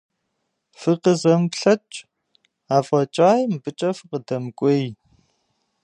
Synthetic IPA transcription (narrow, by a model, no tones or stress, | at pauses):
fɨqəzɐmpɬɐt͡ʃʼ | aːfʼɐt͡ʃʼaːjmbɨt͡ʃʼɐfɨqədɐmkʷʼeːj